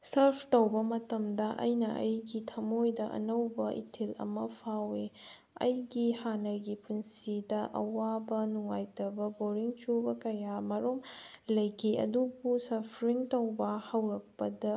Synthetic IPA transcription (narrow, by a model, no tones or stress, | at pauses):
sɐɾpʰtɐwbɐmɐtɐmdɐʔɐ̰jnɐʔɐ̰jɡitʰɐmojdɐʔɐ̰nɐwbɐʔḭtʰilɐ̰mɐpʰawe | ɐ̰jɡihanɐɡipʰunsidɐʔɐ̰wabɐnuŋajtɐbɐboɾiŋt͡ʃubɐkɐjamɐɾomlɐjkʰiʔɐ̰dubusɐpʰɾiŋtɐwbɐhɐwɾɐk̚pɐdɐ